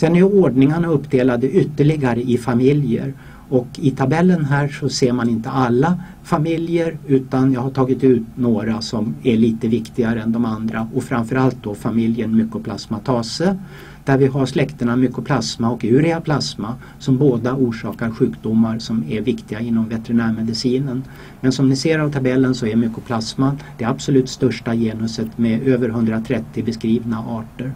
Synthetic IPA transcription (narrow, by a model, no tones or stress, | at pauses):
sɛnːæjoːɖɳɪŋaɳaɵpːd̪eːlad̪əʔʏt̪ːəɭɪɡaɾəʔɪfamɪljə̰ɾ | ɔkːɪt̪ʰabɛlːənɦæːʂɔseːɾmanɪnt̪əalːa | famɪljəɾʉ̟ːt̪anjɑːɡɦaʈʰɑːɡɪt̪ʉ̟ːt̪noːɾasɔmæɭiːt̪əvɪkt̪ɪɡaɾəɛnd̪ɔmand̪ɾaɔkfɾamfœɾalt̪̚d̪ɔfamɪljəɳmʏkːɔpʰlasmat̪ʰɑːsə | d̪̥æɾvɪɦaɾʂlɛkt̪əɳamʏkːɔpʰlasmaɔkʉ̟ːɾɛapʰlasma | sɔmboːd̪auːʂɑːkaɾɧʉ̟ːkd̪ʊmːaɾsɔmæɾvɪkt̪ɪɡaɪnːɔmvɛt̪ɛɾɪnæːɾmɛd̪ɪsiːnən | mɛnsɔmnɪseːɾavt̪ʰabɛlːənsɔɛɾmʏkːɔpʰlasmad̪̥ɛabsɔlʉ̟ːt̪st̪œʂʈajeːnɵsət̪mɛøːvəɾɦɵnd̪ɾat̪ʰɾɛt̪ːɪbɛskɾiːvnaʔɑːʈəɾ